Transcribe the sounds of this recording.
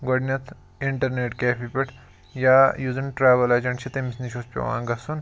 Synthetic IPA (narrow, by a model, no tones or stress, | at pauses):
ɡɐɖnʲɐt̪ʰ | iɳʈɐɾneːʈkeːpʰipʲɐʈʰ | jaːjuːzɐnʈɾaːʋɐlɐt͡ʃɐɳt͡ʃʰit̪emisniʃospʲɐ̰ʋã̰ːŋɡɐsun